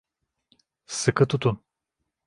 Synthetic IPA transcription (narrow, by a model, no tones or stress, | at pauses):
sɨkət̪ut̪un